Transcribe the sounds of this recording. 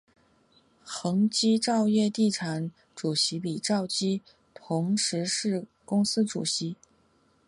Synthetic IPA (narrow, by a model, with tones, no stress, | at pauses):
xɤ˧˥ŋt͡ɕi˥ʈ͡ʂɑ˥˧ʊjɛ˥˧t̪i˥˩ʈ͡ʂʰa˨˧˥n | ʈ͡ʂu˨˩ɕi˧˥li˨˩ʈ͡ʂɑ˥˩ʊt͡ɕi˥ | t̪ʰʊ˧˥ŋʂɻ̩˧˥ʂɻ̩˥˩kʊ˥ŋsɹ̩˥ʈ͡ʂu˨˩ɕi˧˥